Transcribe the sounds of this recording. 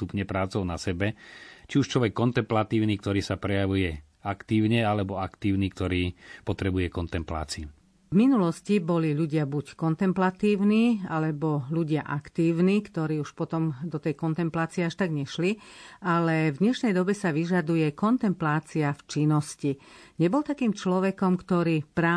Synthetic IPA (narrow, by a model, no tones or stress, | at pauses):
t̪upɲɛpɾaːt͡sɔʊnasɛbɛt͡ʃiuʃt͡ʃlɔʋɛkːɔnt̪ɛmplat̪iːʊniːk̚t̪ɔɾiːsapɾɛjaʋujɛ | akt̪iːʊɲɛalɛbɔakt̪iːʊniːkt̪ɔɾiːpɔt̪ɾɛbujɛkɔnt̪ɛmpla̰ːt͡siu | vminulɔscibɔliʎuɟɪabuckɔnt̪ɛmplat̪iːʊniːalɛbɔʎuɟɪaʔakt̪iːʊniːkt̪ɔɾiːuʃpɔt̪ɔmd̪ɔt̪ɛjkɔnt̪ɛmplaːt͡siɛaʃt̪aɡɲɛʃlialɛvd̪ɲɛʃnɛjd̪ɔbɛsaʋiʒad̪ujɛkɔnt̪ɛmplaːt͡siaft͡ʃinɔsciɲɛbɔlt̪akiːmt͡ʃlɔʋɛkɔmkt̪ɔɾiːpɾaː